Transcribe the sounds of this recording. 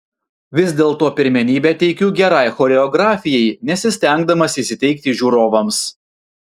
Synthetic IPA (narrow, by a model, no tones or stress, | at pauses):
ʋʲɪsd̪ʲeːlˠt̪oːpʲɪɾʲmʲɛnʲiːbʲɛːt̪ʲɛɪkʲuːɡʲɛɾɑɪxoːɾʲɛɔɡɾɑːfʲɪjɛɪnʲɛsʲɪsʲt̪ʲæˑŋɡd̪ɐmɐsʲiːsʲɪt̪ʲɛɪk̚t̪ʲiʒʲuːɾoːʋɐms